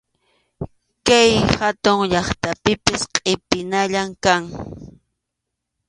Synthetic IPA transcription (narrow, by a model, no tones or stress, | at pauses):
kajhat̪ʊŋʎɑχt̪apɪpɪsqʼɪpɪnaʎamkaŋ